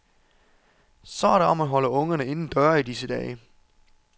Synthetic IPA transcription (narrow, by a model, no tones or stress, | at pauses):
sɒ̽æɐɾe̝ɒ̽mæɦɒ̽ləɔ̽ŋɐnəe̝nn̩d̥ɶɐ̰id̥isəd̥ɛ̰ː